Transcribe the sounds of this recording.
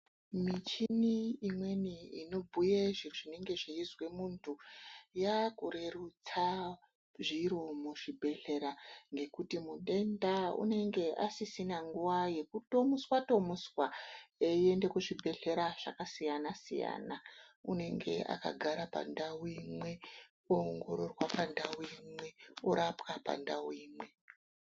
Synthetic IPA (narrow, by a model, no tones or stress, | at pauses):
mit͡ʃiniːmwe̞niino̞bʱujeʐiroʐine̞ŋɡe̞ʐiizwe̞muntʰujakure̞rut͡sa | ʐiɾomuʐ̥ibʱe̞ɬe̞ɾaŋɡe̞kutimuɗe̞ndaṵne̞ŋɡe̞ʔa̰sisinaŋɡuwaje̞kuto̞muswatomuswaeie̞nde̞kuʐibʱe̞ɬe̞ɾaʐ̥akasijanasḭja̰ːnaune̞ŋɡe̞̰ʔa̰ka̰ɡʱaɾapa̰ndawimwe̞ | ooŋɡo̞ɾo̞rwapandawimwe̞oɾapkapa̰ndawiːmwe̞